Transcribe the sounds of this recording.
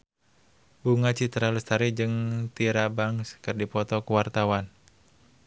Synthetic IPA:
buŋat͡ʃit̪əɾalust̪aɾid͡ʒɨŋt̪iɾabaŋskɨrdipɔt̪ɔkuwart̪awan

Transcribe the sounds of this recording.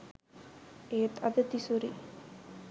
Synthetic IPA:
eːt̪ɐd̪ɐt̪isuɾḭ

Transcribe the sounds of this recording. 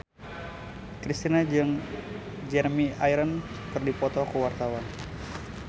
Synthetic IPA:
kɾist̪inad͡ʒɨŋ | d͡ʒɛrmiajɾən | kərdipɔt̪ɔkuwart̪awan

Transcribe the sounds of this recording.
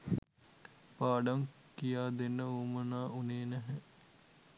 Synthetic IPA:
paːɖaŋ | kijaːd̪enːəuːmənaːuneːnæɦɛ

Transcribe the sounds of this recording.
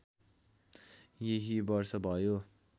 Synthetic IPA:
jeɦibʌɾsʌbʱaːjo

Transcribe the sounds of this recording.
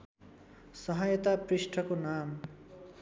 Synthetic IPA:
sʌɦʌjʌt̪aprisʈʰʌkonam

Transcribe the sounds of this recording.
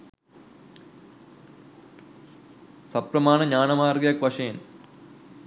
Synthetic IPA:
sɐpɾɐmaːnɐɲaːnɐmaːrɡjɐkʋɐʂɐɐn

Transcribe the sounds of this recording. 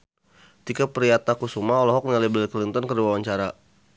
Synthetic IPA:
t̪ikapəɾiat̪akusumaɔlɔɦɔk̚naliblɛlklint̪ɔnkərdiwawaɲt͡ʃaɾa

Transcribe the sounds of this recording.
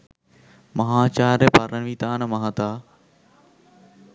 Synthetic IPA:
mɐɦaːt͡ɕaːɾepaːɾənʋit̪aːnɐmɐɦãt̪aː

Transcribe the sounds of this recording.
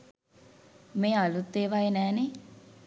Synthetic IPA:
meːalut̪ːeːʋaenɛːne

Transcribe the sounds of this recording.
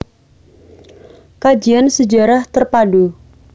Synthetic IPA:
kad͡ʒiansəd͡ʒaɾaht̪ərpadu

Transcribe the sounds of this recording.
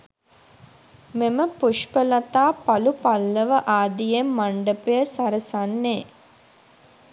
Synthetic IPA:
meməpuʃpəlat̪aːpalupalːəʋəʔaːd̪ijemːaɳɖəpejəsaɾəsanːeː

